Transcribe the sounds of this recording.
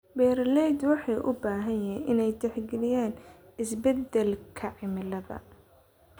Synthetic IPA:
bɛːɾlɛjd̪wɑħɑjʔʊ̰baːɦɐjɛːʔɪnɛjt̪ɛħɡɛlɪjaːnɪsbɛd̪ɛlkʰɐʕɪmɪlɐðɐ̰

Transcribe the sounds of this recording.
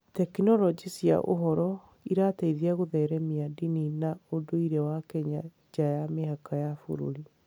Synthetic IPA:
tɛkinɔlɔd͡ʒisja̰ʔo̰ɦɔɾɔ | iɾataiðiaɣoðɛɾɛmiadininaodoiɾɛwakɛɲa | d͡ʒajameɦakajafo̰ɾo̰ɾi

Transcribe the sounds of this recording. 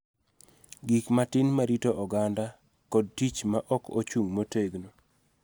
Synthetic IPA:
ɡikmatɪnmaɾitoʔɔɡanda | kɔd̚tit͡ʃmaʔɔko̰t͡ʃuŋmoteɡno

